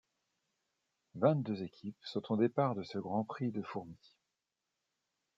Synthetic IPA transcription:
vɛ̃t̪̚d̪øzekʲʰipsɔ̃t̪ɔ̃d̪epaʁd̪əsəɡʁɑ̃pχid̪əfuʁmi

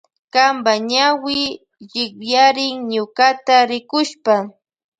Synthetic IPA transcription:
kambaɲawɪ | ʎɪkjaɾɪŋɲʊkat̪aɾɪkʊʃpa

